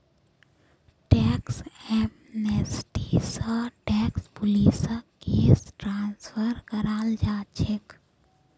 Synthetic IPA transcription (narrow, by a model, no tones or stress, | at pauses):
ʈɛːksɛm | nesʈisəʈɛːkspʊlisəkeːsʈɾãːnsfəɾkəɾaːld͡ʒaːt͡ʃʰek